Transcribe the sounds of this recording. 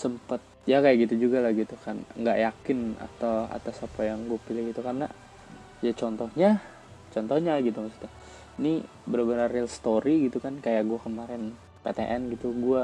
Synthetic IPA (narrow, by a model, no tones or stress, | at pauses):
səmpat̪̚jakajaʔɡit̪ud͡ʒuɡalahɡit̪ukanŋɡaʔjakɪna̰t̪awa̰t̪asapajaŋɡuapilaɡit̪ukarna | jait͡ʃɔnt̪ɔhɲa | t͡ʃɔnt̪ɔhɲaɡit̪umasu̥t̪a | ini | bəɾabəɾarilst̪oɾiɡit̪ukankajaʔɡuakəmaɾɪn | pet̪eʔɛnɡit̪uɡua